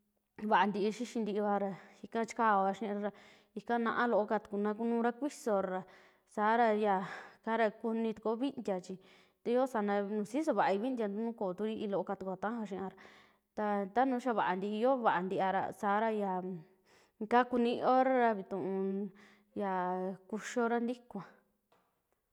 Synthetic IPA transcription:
βa˨ʔa˧nd̪i˧i˧ʃi˦ʃi˧nd̪i˧βa˧ɾa˧i˧kã˦t͡ʃi̥˦ka˦o˧βa˧ʃĩ˦˧ɾa˧ɾa˧ | i˧kã˦nã̰˧ʔã˦lo˧ʔo˧ka˧t̪u̥˨˧ku˧nã˧k̬u˧nũː˦˧ɾa˦kʷi˦so˧ɾa˧ɾa˧ | saː˨˦ɾa˧ja˨ka˦ɾa˧ku˧nĩ˧t̪u̥˨ko˦βi˦nd̪ʲja˧t͡ʃi˧ | t̪a˧i˦o˦sa˨˧˦nã˧nũː˧si˦s̬o˧βa˨ʔa˧i˧βi˦nd̪ʲa˧nd̪u˧˦nũ˦ko˨t̪u˧ɾi˦i˧lo˧ʔo˧ka˧t̪u˧ku˧˨t̪ã˦a˧ʃĩ˧ã˧ɾa˧ | t̪a˧t̪a˦nũː˧˦ʃa˦˧βa˨a˨nd̪i˧i˧jo˦βa˨ʔa˨nd̪i˧ʔa˧ɾa̰˧saː˨˦ɾa˧ja˨ | ka˦ku˧nĩ˧o˦ɾa˦ɾa˧βi˧t̪ũ˨ũ˧ | ja˨ku˧ʃo˧ɾa˦nd̪i˦kʷã˨˧

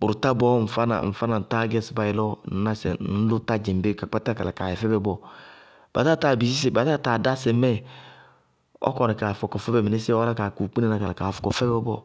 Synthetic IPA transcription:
bʊ˨ɾu˨ta˦bɔ˦m̩˨fa˦na̰˨n̩˨fa˦na˨ta˦ɡɛ˦sba˨ji˨lɔ˦n̩˦na˦sɛ̰˨n̩˦lʊ˦ta˦d͡ʒɛ˨m˨be˦ka˨k͡pa˦ta˦ka˨a˨ka˨ɛ˨fɛ˦bɛ˦bɔ˦ | b̥a̰˨ta˦˨ta˨bi˨si˦s̬e˨ba˨ta˦˨ta˨da˦sɛ˨mɛ˦ | ɔ̰˦kɔ˨nɛ˨ka˨fɔ˨kɔ˨fɛ˦bɛ˨me˨ne˦sɛ˦ɔ˦ɾa˦ka˨ku˨k͡pi˦ne˦na˨ka˨la˨ka˨fɔ̥˨kɔ˨fɛ˦bɛ˦bɔ̰˦

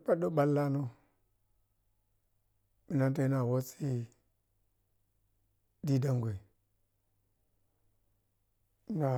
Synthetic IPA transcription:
pa˦ɗo˦ɓa˦lːa˦no˦ | mi˨na˦ta˦na˨wo˦t͡si˦ | di˦da˦ŋɡʷe˨˦ | na˨

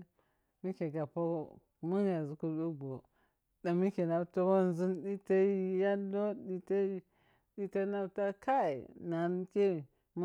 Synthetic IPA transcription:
mi˦ke˨ɡa˨po˦ | mu˦n˦ja˨zu˨ku˦ɗu˦ɡo˨ | da˨mi˦ke˨na˨to˦wo˦n˨zi˦nɗi˦ta˦ja˦lo˦di˦ta˦ | ɗi˦ta˦na˦ta˦ka˦ḭ˨na˨n˦ke˦˨ | m˦

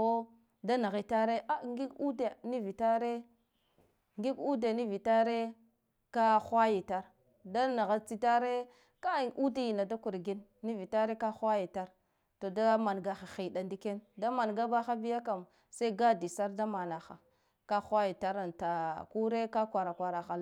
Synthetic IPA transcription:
o˦ | da˦na˨ɣi˨ta˦ɾe˦ʔa˦ŋɡi˦ɡu˦de˨ni˦vi˨ta˦ɾe˦ | ŋɡi˦ɡu˦de˨ni˦vi˨ta˦ɾe˦ | ka˦xwa˦ji˨ta˦ɾ | da˦na˨ɣa˨t͡si˦ta˦ɾe˦ | ka˦˨ʔu˦da˦ji˨na˨da˦ku˨ɾɡi˦nːi˦vi˨ta˦ɾe˦ka˦xwa˦ji˨ta˦ɾ | to˨da˦ma˨nɡa˨xa˨xi˨da˨ndi˦ke˦nda˦ma˨nɡa˦ba˦xa˦bi˦ja˦ka˨m | sa˦i˦ɡa˦di˨sa˦ɾda˦ma˨na˨xa̰˨ | ka˦xʷa˦ji˨ta˦ɾa˨nta˨ku˦ɾe˦ka˦kʷa˨ɾa˨kʷa˨ɾa˨xa˨˦

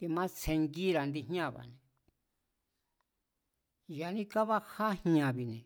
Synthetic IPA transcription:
t̪i˧mã˦t͡sʰe˧ŋɡi˦ɾa˨nd̪i˧ɦɲã˦˨βa̰˨nẽ˨ | ja˨nĩ˦ka˦βa˦ha˦hɲã˧βi˨nẽ˨

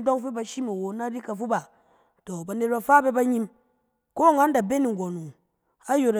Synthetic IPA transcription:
do˦ŋfi˦ba˨ʃi˦ma˨wo˨˦na˦ɾi˦ka˨fu˦ba˨ | to˨ba˨ne˨t̚ba˨fa˦be˦ba˦ɲi˦m | ko˦˨ŋa˦n˦da˨be˦ni˨ŋ̩˨ɡo˨nu˨ | a˦jo˨ɾ

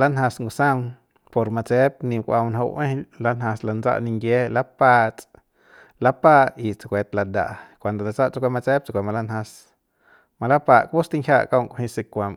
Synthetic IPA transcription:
la˦nɦã˧sŋɡu˧sã˦wn | po˧ɾma˧t͡se˦p̚nĩ˧kʷʔa̰˧wnɦo̰˧ʔẽ˦la˦nhã˧sla˧nd͡za̰˦˧ʔnĩ˧ŋɡje˦la˦pa˦˧t͡sʼ | la˦pa˦˧ʔi˧t͡sa˧kʷe˧t̪la˧d̪a̰˨ʔkʷa˨nd̪o˨la˨˧t͡sa˦ʔt͡sa˧kʷe˧ma˧t͡se˦p̚t͡sa˧kʷe˧˨ma˧la˦nhã˧s | ma˧la˦pa˧˨ʔkbu˦st̪i˦ŋhʰʲja˦˧ʔka˦˧wŋkʷo˧hĩ˧si˧kʷa˧˨m

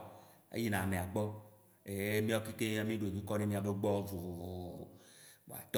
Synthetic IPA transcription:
ḛ˦ji˦nã˨mẽ˨a˨ɡ͡bɔ˦ | e˨˦mĩ˦ɔ˦ki˦ke˦a˦mĩ˦ɖo˨e˨mĩ˦kɔ˦ne˦mĩ˦a˨be˦ɡ͡bɔ˦vo˨o̰˨a̰˨t̪

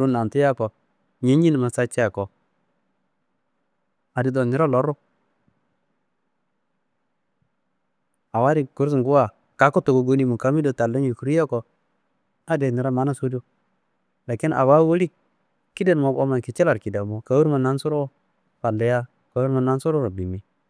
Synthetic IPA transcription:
ɾu˦na˨ntu˦ja˦ko˨ | ɲe˦ɲi˦n˨ma˨sa˦t͡ʃɛ˦a˨ko˨ | a˨di˨dɔ˨ni˦ɾa˦lo˦ɾo˦ | a˨wa˦ɾi˦ku˦ɾs̬i˨ŋɡu˦wa˨ | ka˨˦ko˦to˨ɡo˨ɡo˦ni˦mu˨ka˨˦mi˦do˨ta˨lːa˦nji˨ku˨˦ɾi˦ja˦ko˨ | a˦de˨ni˨ɾa˦ma˦na˦so˦do˦ | la˨ki˦na̰˨wa˦wo˦li˦ | ki˦de˦n˨mo˨o˦ma˨ki˨t͡ʃɛ˦la˨ɾki˨da˨mo˨ka˨˦wu˦ɾma˨na˦nsu˦ɾo˦ | fa˨nda˨ja˦ | ka˨wu˦ɾma˨na˦nsu˦ɾo˦ɾo˨bi˨mi˨

